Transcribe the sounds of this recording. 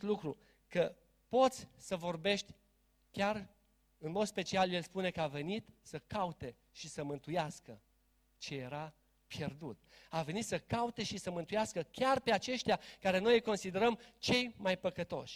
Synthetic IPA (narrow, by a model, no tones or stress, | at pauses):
t̪lukɾu | kə | po̞t̪sʲsəvo̞rbe̞ʃt̪ʲ | kʲar | ɨnmod̪spe̞t͡ʃialje̞lspune̞kəave̞nit̪səkaut̪e̞ | ʃisəmɨnt̪ujaskə | t͡ʃe̞je̞ɾa | pje̞rd̪ut̪ave̞nit̪səkaut̪e̞ʃisəmɨnt̪ujaskəkʲarpe̞at͡ʃe̞ʃt̪ʲjakaɾe̞no̞jko̞nsid̪e̞ɾəmt͡ʃe̞jmajpəkət̪o̞̰ʃʲ